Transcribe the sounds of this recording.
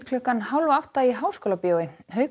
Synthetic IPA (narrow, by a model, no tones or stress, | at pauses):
kʰlœkːanhawlvaawht̪aiɦaːwskowlapjoːwɪhœːɥk